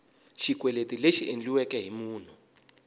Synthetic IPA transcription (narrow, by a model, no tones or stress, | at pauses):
ʃikwɛletileʃiʔend͡ɮiwɛkɛɦimuːn̤u